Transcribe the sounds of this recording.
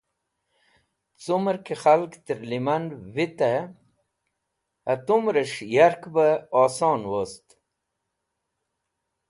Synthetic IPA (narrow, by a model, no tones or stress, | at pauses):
t͡suməɾkexalkt̪əɾlimɐnwit̪a | ɐt̪umɾəʂjaɾkbəoːsoːnwost̪